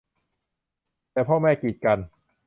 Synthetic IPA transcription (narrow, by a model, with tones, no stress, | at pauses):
t̪ɛː˨˩pʰɔː˥˩mɛː˥˩kiː˨˩t̪̚ka˧n